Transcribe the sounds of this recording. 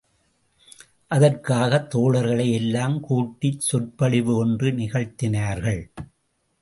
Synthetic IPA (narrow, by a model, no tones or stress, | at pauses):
ʔɐðɐrkaːɣɐt̪ːoːɭɐɾɣɐɭɐɪɛlːaːmkuːʈːɪtsʊrpɐɭɪʋɯɔndrɯnɪɣɐɻt̪ɪnaːɾɣɐɭ